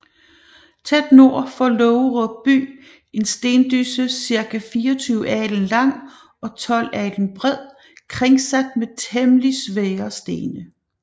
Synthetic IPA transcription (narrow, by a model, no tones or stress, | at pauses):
t͡sʰed̥no̝ɐ̰fɒlɔʊʁɔ̥b̥y̰ː | e̝nsd̥e̝ːnd̥ysəsiɐkʰæfiːɒt͡sʰyːʊɛːlənlɑ̈ŋ̰ | ɒ̽t͡sʰɒ̽l̰æel̥ən̩b̥ʁɛð̰ˠ | kʰʁeŋsæd̥̚met͡sʰemlisʋeːɐsd̥e̝ːnə